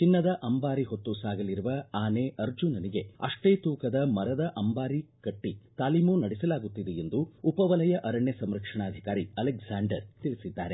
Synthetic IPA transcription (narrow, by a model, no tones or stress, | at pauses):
t͡ʃinːɐd̪ɐʔɐmbaːɾiɦot̪ːusaːɡɐliɾuʋɐaːneːɐɾd͡ʒunɐniɡe̞ɐ̰ʂʈeːt̪uːkɐd̪ɐmɐɾɐd̪ɐʔɐmbaːɾikɐʈːit̪aːlimunɐɽisɐlaːɡut̪ːid̪eend̪uupɐʋɐlɐjɐʔɐɾɐɳjɐsɐmɾɐkʂɐɳaːd̪ʱikaːɾiɐleksaːɳɖɐɾt̪iɭisid̪ːaːɾe